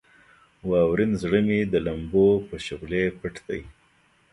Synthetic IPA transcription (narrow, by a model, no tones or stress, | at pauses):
wɑːwɾɪnzɽəmid̪əlambopəʃoɣlepəʈd̪a̰j